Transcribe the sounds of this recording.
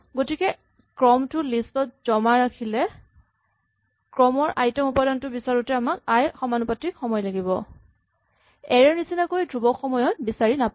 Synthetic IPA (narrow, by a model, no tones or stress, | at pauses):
ɡotikɛ | kɹɔmtʊlistɔt̚z̥ɔmaɹakʰilɛ | kɹɔmɔɹʔajtɔmupadɔntʊbisaɹutɛamakajxɔmanupatɹikxɔmɔjlaɡibɔ̰ | ɛɹɛɹnisinakojdɹubɔxɔmɔjɔt̚bisaɹinap